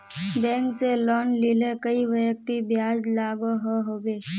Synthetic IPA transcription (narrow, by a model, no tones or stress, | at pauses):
bɛ̃ːŋkselɔːnlɪlekəiʋəjək̚t̪ibjaːd͡ʒlaːɡoɦoɦoːbeː